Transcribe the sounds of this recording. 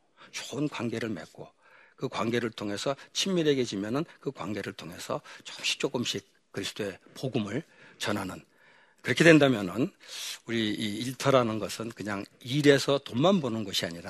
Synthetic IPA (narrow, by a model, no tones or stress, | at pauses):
t͡ɕoɯnkwanɡe̞ɾɯɭme̞̰k͈o | kɯkwaŋɡe̞ɾɯɭtʰoŋe̞sʰʌt͡ɕʰimːiɾe̞ɡe̞d͡ʑimjʌnɯnkɯkwa̰nɡe̞ɾɯɭtʰoŋɦe̞sʰʌt͡ɕomɕi̥k̚t͡ɕ͈oɡɯmɕ͈ʰik̚ | k͈ːɯɾisʰɯ̥d̥ʰoe̞poɡumɯɭt͡ɕʌnɦanɯn | kɯɾʌkʰidwe̞ndamjʌnɯnuɾiiːɭtʰʌɾanɯnɡʌsʰɯnkɯɲaŋiɾe̞sʰʌtomanbonɯnɡʌɕʰiaɲiɾa